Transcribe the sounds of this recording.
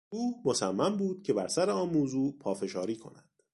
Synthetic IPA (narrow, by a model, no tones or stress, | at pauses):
uːhmo̞sæmːæmbuːd̪̥̚cʰe̞bæɾsæɾeɒːnmuːzuːpʰɒːfe̞ʃɒːɾiːkʰo̞̰næd̪̥